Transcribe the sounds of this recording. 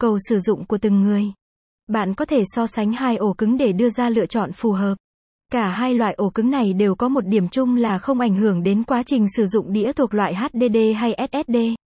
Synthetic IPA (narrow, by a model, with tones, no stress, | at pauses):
kə˨˧˩wsɨ˧˩zʊ̰˧˨ŋ͡mku˧˩ət̪ɨ˨˩ŋːɨ˨˩əj | ɓa̰ː˧˨nkɔ˨˦t̪ʰe˧˩sɔ˧sa˨˦jŋ̟haː˧jʔo˧˩kɨ˨˦ŋɗe˧˩ɗɨ˧əzaː˧lɨ̰˧ət͡ɕɔ̰˧˨nfu˨˩ɦəː˨˩p̚ | kaː˧˩ɦaː˧jlwa̰ː˧˨jʔo˧˩kɨ˨˦ŋna˨˩jɗe˨˩wkɔ˨˦mo˨˩t̚ɗi˧˩əmt͡ɕʊ˧ŋ͡mlaː˨˩xə˧wŋ͡mʔa˧˩jŋ̟ɦɨ˧˩əŋɗe˨˦nkwaː˨˦t͡ɕï˨˩ŋ̟sɨ˧˩zʊ̰˧˨ŋ͡mɗḭ˧˥ət̪ʰu˨˩ək̚lwa̰ː˧˨jɦaː˦˥t̚ɗe˧ɗe˧ɦa˧jʔɛ˦˥t̚ʔɛ˦˥t̚ɗe˧